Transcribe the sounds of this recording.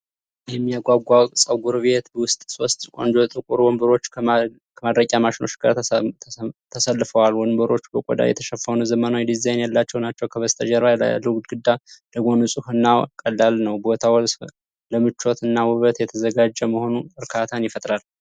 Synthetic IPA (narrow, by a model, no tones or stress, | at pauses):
jɛmːijaɡʷaɡʷawsʼəwɡuɾβe̞t̪bəwʊst̪ʼso̞st̪ʼkʷʼo̞nd͡ʒot̪ʼɨkʼuɾwɔmbɨɾo̞t͡ʃː | kʰəmad̪ɾəkʼamaʃɪno̞t͡ʃːɡaɾ | t̪ʰəsəlːɨfəwalwɔnmbɨɾo̞t͡ʃːbəkʼɔd̪a̰jɛ̰t̪ʰə̥ʃəfːanuzəmənawid̪izajnjalːat͡ʃːɛwnat͡ʃːɛwkʰəβəst̪ʰəʒəɾbal̰luɡd̪ɡɨd̪ːaləɡo̞nusʼɨhɨnːakʼəlːalnəwbo̞t̪ʰawɔls | ləmɨt͡ʃːo̞t̪ɨnːawɨβət̪jɛt̪ʰəzəɡad͡ʒːɛməho̞nubɨɾkʰat̪ʰanjɪfət̪ʼɾal